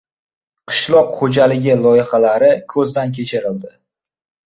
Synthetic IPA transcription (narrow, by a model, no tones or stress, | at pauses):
qʰɨ̥ʃlˠɒqhod͡ʒalɪɡʲɪlˠɒjɪχalaɾɪkʰɵzd̪ankʲʰe̞t͡ʃʰɪɾɪld̪ɪ